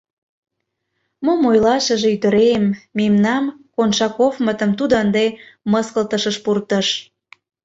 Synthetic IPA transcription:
momojlɑʃəʒeyt̪ə̆ɾemːimnɑmkonʃɑkovmət̪əmt̪ud̪əənd̪eməskəlt̪əʃəʃpurt̪əʃ

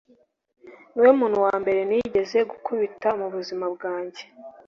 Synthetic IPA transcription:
niweumuːn̥uwaːmbe̞ɾe̞niɟe̞ze̞ɡukuβitamuβuzimabɡaːɲɟe̞

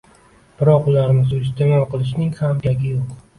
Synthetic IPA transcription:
b̥ɪɾɒqʊlaɾɪmɪzʊɪst̪emɒlˠqɨlˠɪʃ̬nɪŋhamkʲaɡʲɪjoq

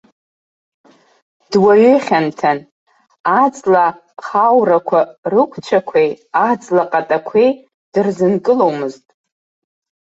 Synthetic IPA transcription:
d̥waɥʏχʲantʰan | ad͡zla | χawrakʷʰarɨkʷʰt͡ʃʷʰakʷʰejad͡zlaqʼatʼakʷʰej | d̥ɨrzɨnkʼɨlowmɨztʼ

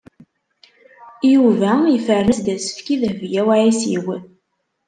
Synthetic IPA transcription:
juvæjfərːəsd̪æsə̥fkiðəvjæwaʕisḭwən

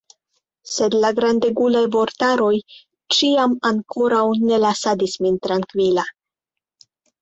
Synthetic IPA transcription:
se̞dlaɡɾande̞ɡulajvo̞ɾtaɾo̞j | t͡ʃiamaŋkʰo̞ɾawne̞lasadismint̪ɾaŋkvila

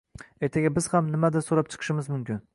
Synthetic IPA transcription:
ejt̪ʰaɡʲabɪz̥hamnɪmad̪asoɾap̚t͡ʃʰɨ̥qʰɨ̥ʃɪmɪzmʊmkʲɪn

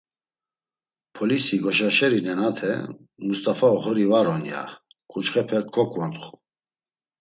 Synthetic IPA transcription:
pʰɔlisiɡɔʃaʃɛɾinɛnat̪ʰɛ̰ | must̪ʼafaɔχɔɾivaɾɔnja̰kʰʼut͡ʃχɛpʰɛkʰːɔkʰʼvant̪ʼχu̥

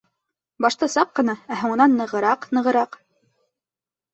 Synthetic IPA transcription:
bɑʃt̪ɑsɑqːɤ̆nɑæɦuɴɤ̆nɑnːɤ̆ʁɤ̆ɾɑqnɤ̆ʁɤ̆ɾɑq

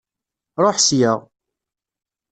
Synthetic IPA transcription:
ɾˤoħsjəʁ

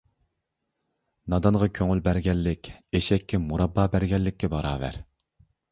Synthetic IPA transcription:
nɑd̪ɑnʁɑkʲʰøŋylbæɾɡʲɛlːɪkʲeʃɛkʲːɛmuɾɑbːɑːbæɾɡʲɛlːɪkʲːɛbɑɾɑːvæ̰ɾ

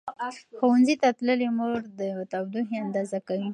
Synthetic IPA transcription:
xowanzit̪at̪ləlimoɾd̪ət̪abd̪uɦiand̪ɑzakawi

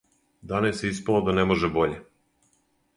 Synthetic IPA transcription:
d̪anajeseispelˠod̪anemoʒebo̞ʎe

